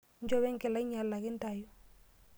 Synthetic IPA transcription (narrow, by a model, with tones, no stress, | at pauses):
ɲ˦d͡ʒɔ˦βɛ˦ŋ˦kɪ˨la˦ɲa˨lːa˨kɪ˦n˦ta˨jɔ˦